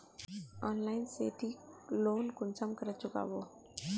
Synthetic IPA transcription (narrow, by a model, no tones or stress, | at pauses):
ɔːnlaːɪnseːt̪iloːnkʊnsəmkəɾət̪t͡ʃʊka̰ʋoː